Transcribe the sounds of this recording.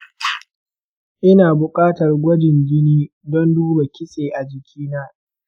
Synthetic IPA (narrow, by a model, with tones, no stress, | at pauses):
ʔɪ˦naː˨bʊ˨kʼaː˦tɐ˨rɡʷɔ˦dɪ˨nd͡ʒɪ˦niː˦ | dɔ˦nduː˦ba˨kʲɪ˦seː˨ʔa˨d͡ʒɪ˨kʲʰiː˦naː˦